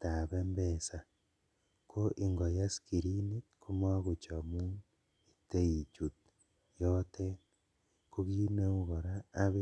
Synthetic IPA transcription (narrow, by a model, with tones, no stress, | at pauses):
ta˨βembesa˨ | ko˦ʔiŋɡo˨jasi̥ki˨ɾini˦ku˦ma˦ɣut͡ʃamu˦ | ite˦i˨t͡ʃut̚ | jote | kuɣi˦ne˦uɣo˨ɾaːβe˦